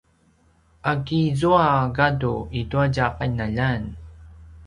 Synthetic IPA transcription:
ʔakizuaɡaduiduaɟaqanaʎan

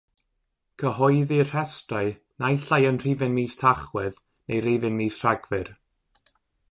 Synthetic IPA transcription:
kʰəhɔjðir̥ɛstaɨ | najɬajənr̥iːvɨnmiːstʰaχwɪð | nejrivɪnmiːsr̥aɡvɪr

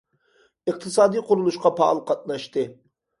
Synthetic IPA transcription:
ɨq̚t̪ʰɨsɑːd̪iqʰʊɾulˠuʃqʰɑpʰɑlˠqʰɑt̪̚nɑʃt̪ɨ

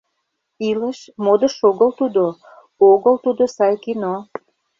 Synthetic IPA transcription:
iləʃmod̪əʃoɣəlt̪ud̪o | oɣəlt̪ud̪osɑjkino

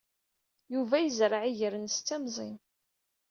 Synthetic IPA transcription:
juvæjəzɾˤəʕiʝəɾənst͡sːæmzˤḭn

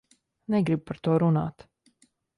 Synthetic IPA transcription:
nɛɡɾibupaɾt̪uːɾuna̰ːt̪

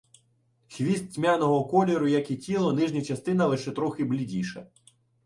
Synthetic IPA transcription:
xʋʲist̪̚ʲsʲmʲanɔɦɔkɔlʲiɾʊjɐkitʲilˠɔnɪʒnʲɐt͡ʃɐst̪ɪnɐlˠɪʃɛt̪ɾɔxɪblʲidʲiʃɐ

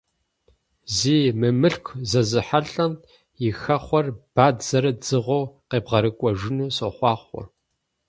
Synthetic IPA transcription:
ziːmɨmɨɬkʷʰzɐzɨħaɬʼɐm | jɪxɐχʷɔrb̥aːdzɐɾɐd͡zɨʁʷowqeːbʁɐɾɨkʷʼɔʒɪnuːsɐχʷɑːχʷɔ̰

